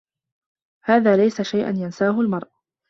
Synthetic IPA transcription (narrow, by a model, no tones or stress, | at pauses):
haːðaːlajsaʃajʔa̰njansaːɦʊlmɑɾˤʔ